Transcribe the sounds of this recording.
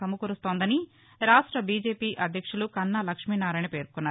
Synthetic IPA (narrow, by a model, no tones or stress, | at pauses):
ɐmukuɾust̪oːnd̪ɐni | ɾaːʂʈɾɐbiːd͡ʒe̞ːpiːʔɐd̪ʱjɐkʂulukɐnːɐlɐkʂmiːnaːɾaːjnɐpe̞ːɾkkunːaː